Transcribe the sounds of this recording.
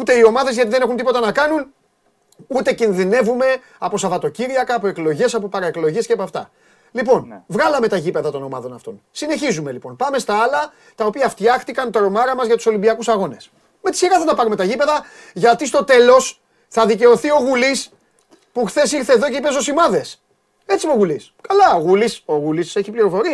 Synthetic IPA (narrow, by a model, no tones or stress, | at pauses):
ut̪e̞io̞mɐðe̞zʝɐt̪iðe̞ne̞xunt̪ipo̞t̪ɐnɐkɐnun | ut̪e̞cinðine̞vume̞ | ɐpo̞sɐvɐt̪o̞ciɾiɐkɐːpo̞e̞klo̞ʝe̞sɐpo̞pɐɾɐeklo̞ʝe̞scepɐft̪ɐ̰ | lipo̞nvɣɐlɐme̞t̪ɐʝipe̞ðɐt̪o̞no̞mɐ̰ðo̞nɐft̪o̞̰nsine̞çizume̞lipo̞npɐme̞st̪ɐɐlɐ | t̪ɐopiɐft̪çɐxt̪ikɐnt̪oɾo̞mɐɾɐmɐzʝɐt̪u̥so̞limbiɐkusɐɣo̞ne̞s | met̪i̥siɾɐθɐt̪ɐpɐɾume̞t̪ɐʝipe̞ðɐ | ʝɐt̪ist̪o̞t̪e̞lo̞s | θɐðice̞o̞θio̞ɣulis | puxθe̞siɾθe̞ːðo̞ceipeso̞simɐðe̞s | e̞t͡sipoɣuliskɐlɐoɣuliso̞ɣulise̞çipliɾo̞fo̞ɾi